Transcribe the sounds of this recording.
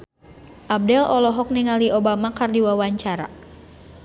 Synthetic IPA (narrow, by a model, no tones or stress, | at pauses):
ʔab̚dɛlʔɔlɔɦɔk̚nɛŋaliʔobamakardiwawaɲt͡ʃaɾa̰